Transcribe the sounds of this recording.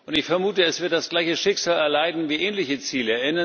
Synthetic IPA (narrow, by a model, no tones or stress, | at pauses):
ʔʊntɪçfɛɐmuːtəɛsv̥ɪɐt̚d̥asɡ̥laɪçəʃɪkz̥aːlɛɐlaɪdn̩viːʔɛːnlɪçət͡siːləɪnə